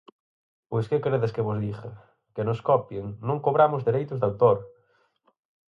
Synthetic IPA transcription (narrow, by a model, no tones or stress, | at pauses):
pojskekɾeðeskeβʊzðiɣɐ | kenoskɔpjeŋnõŋkoβɾamʊzðeɾejt̪ʊzðawt̪oɾ